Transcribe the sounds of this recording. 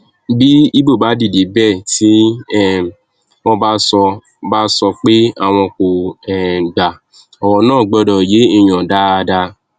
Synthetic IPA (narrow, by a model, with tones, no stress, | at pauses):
bi˦i˦bo˦˨ba˨˦di˦˨di˨˦bɛ˦˨ti˨˦ɛ˦˨ | w̃ɔ̃˧ba˦sɔ˧ | ba˦sɔ˧k͡pe˦a˦˨w̃ɔ̃˧ko˨ɛ˨ɡ͡ba˨ | ɔ˨wɔ˧nãː˦˨ɡ͡bɔ˧˦dɔ˨je˨˦i˦˨j̃ã˨da˦a˧da˧